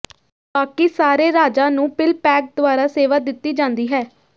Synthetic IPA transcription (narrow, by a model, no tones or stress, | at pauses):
baːkisaːɾeːɾaːd͡ʒaːnũːpɪlpɛːk̚d̪ʊʋaːɾaːseːʋaːd̪ɪt̪ːiːd͡ʒãːnd̪iːɦɛː